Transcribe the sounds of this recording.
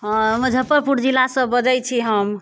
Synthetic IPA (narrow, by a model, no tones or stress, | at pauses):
məd͡ʒʱəpːəɾpuɾd͡ʒilːasə̃bəd͡ʒəjt͡ʃʰiɦəm